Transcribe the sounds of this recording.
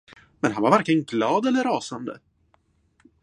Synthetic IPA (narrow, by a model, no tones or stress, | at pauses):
mɛnɦanvaɾvæɾkɪənɡlɑːd̪ɛlːəɾːɑːsand̪ə̰